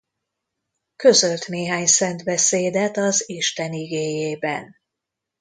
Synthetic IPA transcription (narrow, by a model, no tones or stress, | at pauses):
kø̞zø̞lt̪neːɦaːɲsɛnt̪bɛseːd̪ɛt̪ɒziʃt̪ɛniɡeːjeːbɛ̰n